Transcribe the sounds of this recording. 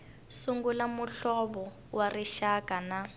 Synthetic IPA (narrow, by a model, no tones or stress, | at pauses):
suŋɡulamuɬɔβɔ | wariʃakʼana